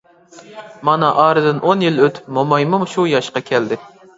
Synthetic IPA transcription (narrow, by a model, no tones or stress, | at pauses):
mɑnɑʔɑːɾɨd̪ɪnʔonjiløt̪ʰpmomɑjmumʃujɑʃqɑkʲʰɛld̪ɪ